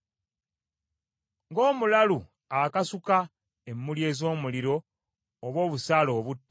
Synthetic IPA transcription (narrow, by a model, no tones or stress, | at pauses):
ŋɡo̞ːmulalu | akasuka | emːulje̞ːzo̞ːmuliɾo̞ː | βwo̞ːβusaːlo̞ːβutː